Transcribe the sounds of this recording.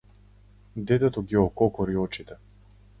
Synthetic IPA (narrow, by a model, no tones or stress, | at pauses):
d̪ɛt̪ɛt̪ɔɡiɔkɔkɔɾiɔt͡ʃit̪ɛ